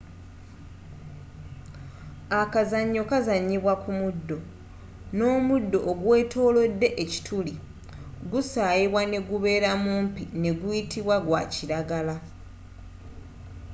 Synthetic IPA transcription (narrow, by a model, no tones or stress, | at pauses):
akazaɲːo̞kazaɲːiβwakumudːo̞ | no̞ːmudːo̞ʔːɡwe̞ːtʰo̞ːlo̞dːe̞ʔeci̥tʰuli | ɡusaːjiβwane̞ɡuβe̞ːɾamuːmpine̞ɡujitʰiβwaɡwaciɾaɡala